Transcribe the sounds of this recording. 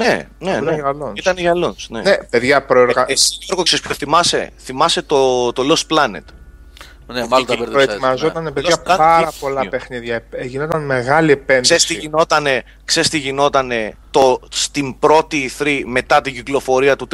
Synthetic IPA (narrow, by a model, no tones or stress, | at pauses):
nenenɐɐlonit̪ɐneʝɐlonsnḛnepe̞ðʝɐpɾoeɾɣɐesoɾɣoksespʰçoθimɐse̞̰θimɐse̞t̪ot̪o̞losplɐnḛt̪ | nmɐloieɾɾoeimɐzot̪ɐnepeðɐlɐnɐɾɐpo̞lɐpe̞xniðʝɐʝinot̪ɐnmeɣɐliepensest̪iʝino̞t̪ɐne̞ | kse̞st̪iʝino̞t̪ɐne̞t̪o̞st̪imbɾo̞t̪iːθɾime̞t̪ɐt̪iɟiklo̞fo̞ɾiɐt̪ut̪